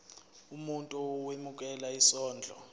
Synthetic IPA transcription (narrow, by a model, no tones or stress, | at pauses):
umuntʼuɔwemuk̬ʼɛlaisɔːnd͡ɮʱɔ̰